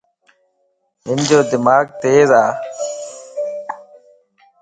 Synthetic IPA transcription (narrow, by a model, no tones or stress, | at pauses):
ɦɪnd͡ʒoːd̪ɪmaːɡ̚t̪eːzaː